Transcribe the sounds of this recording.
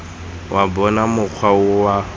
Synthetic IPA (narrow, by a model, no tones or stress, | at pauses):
wʔabɔnamʊk͡xʰwaʊwa